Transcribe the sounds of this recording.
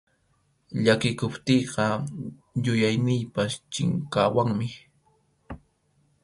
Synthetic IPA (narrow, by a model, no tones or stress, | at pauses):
ʎakɪkʊpt̪ejɢɑ | jʊjajnɪjpast͡ʃɪ̰ŋkaːwaŋmɪ